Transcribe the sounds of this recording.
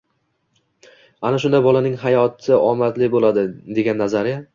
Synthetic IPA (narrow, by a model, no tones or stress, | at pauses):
anaʃʊnd̪abɒlanɪŋɦajɒt̪ʰɪʔɒmat̪lɪbolad̪ɪd̪e̞ɡʲanːazaɾja